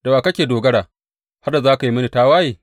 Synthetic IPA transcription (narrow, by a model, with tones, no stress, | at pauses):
d̥a˨waː˨kɐ˦kʲeː˨doː˨ɡɐ˦ɽaː˨ | ha˦rda˨zaː˦ka˨ji˦mɐ˦ni˨taː˦waː˦jeː˨